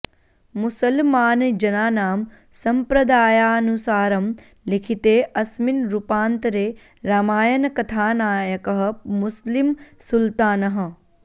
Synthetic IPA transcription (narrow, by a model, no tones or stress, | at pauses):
musɐlmaːnd͡ʒɐnaːnaːm | sɐmpɾɐd̪aːjaːnusaːɾɐm | likʰit̪eːʔɐsminɾupaːnt̪ɾeː | ɾaːmaːjɐnɐkɐt̪ʰaːnaːjɐkɐɦɐ̆muslimsult̪aːnɐɦɐ̆